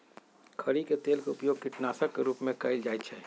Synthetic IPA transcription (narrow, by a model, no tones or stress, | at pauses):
kʰɐɾiket̪eːlkeʊpjoːɡ̚kɪʈnaːsəkːeɾuːpmẽkɐɪld͡ʒaːjt͡ʃʰɛː